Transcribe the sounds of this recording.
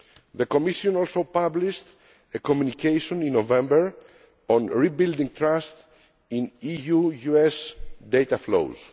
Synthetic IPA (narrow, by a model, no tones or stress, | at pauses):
ðəkomiʃõnɔlsopabliʃt̪ | ekomjunikʰejʃõnĩnːovɛ̃mbəɹ | ɔ̃nɹibild̪ĩŋt̪ɹast̪ | ĩnijujuɛsd̪ejt̪aflo̰wz̥